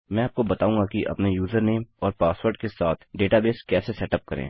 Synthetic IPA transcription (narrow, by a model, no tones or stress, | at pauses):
mɛ̃ːaːp̚kobɐt̪aːũːŋɡakiʔɐ̰pnejuːzəɾneːmɔːɾpaːswəɾɖkesaːt̪ʰɖeːʈabeːskɛːsesɛːʈəp̚kɐɾḛ̃ː